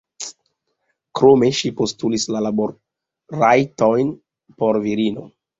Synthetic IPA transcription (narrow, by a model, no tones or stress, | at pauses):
kɾo̞me̞ʃipo̞stulislalaboɾ | ɾajto̞jn | po̞ɾviɾino̞̰